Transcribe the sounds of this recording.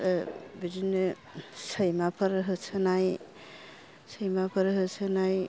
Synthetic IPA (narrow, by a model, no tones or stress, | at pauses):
bidinɯ | səjmapʰəɾɦɯsʰɯnaj | səjmapʰəɾɦɯsʰɯnaj